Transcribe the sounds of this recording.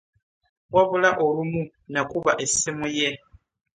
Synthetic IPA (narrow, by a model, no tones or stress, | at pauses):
waβulaʔɔɾumu | nakuβaʔesimujɛ